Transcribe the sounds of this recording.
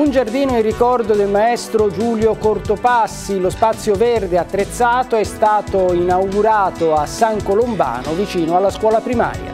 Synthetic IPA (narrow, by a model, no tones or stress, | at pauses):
und͡ʒard̪iːnoirikɔrd̪od̪elmaɛst̪ɾod͡ʒuːljokort̪opasːilospat̪sːjoverd̪eat̪ːɾet̪sːaːt̪oɛst̪aːt̪oinawɡuɾaːt̪oasːaŋkolomba̰ːnovit͡ʃiːnoalːaskwɔːlapɾima̰ːɾja̰